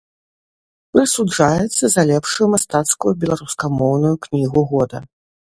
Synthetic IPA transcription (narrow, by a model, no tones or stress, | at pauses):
pɾɨsud͡ʐajɛt̪sːɐzɐlʲɛpʂujumast̪at̪skujubʲɛlˠaɾuskamɔwnujuknʲiɣuɣɔd̪ɐ